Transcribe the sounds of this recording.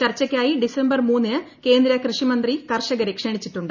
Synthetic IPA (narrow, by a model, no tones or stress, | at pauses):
t͡ɕɐrt͡ɕːɐkʲːaːjiɖisembɐrmuːnːɨɐke̞ːnd̪ɾɐkrɨʂimɐnd̪rikɐrʂɐɣɐɾekʂeɳit͡ɕːiʈːuɳɖɨ